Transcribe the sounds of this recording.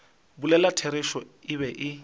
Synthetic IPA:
bulɛlatʰeɾɪʃɔɪβɛʔɪ

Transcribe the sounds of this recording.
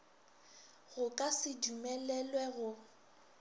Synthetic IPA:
ɣʊkʼasɪdumɛlɛlwɛɣʊ

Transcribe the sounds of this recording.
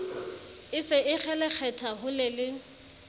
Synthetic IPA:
ɪsɪɪk͡xʰɛlɛk͡xʰɛtʰaɦʊlɪlɪ

